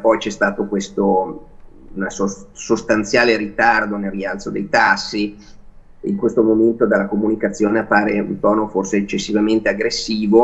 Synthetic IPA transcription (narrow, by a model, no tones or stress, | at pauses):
pɔjt͡ʃɛst̪aːt̪okwest̪o | unasosost̪ant̪sjaːlerit̪ard̪onelrːialt̪sod̪ejt̪asːi | ḭŋkwest̪omoment̪od̪alːakomunikat̪sːjoːneapːaːɾeṵnt̪ɔːnoforseːt͡ʃːesːivament̪eaɡɾesːiːvo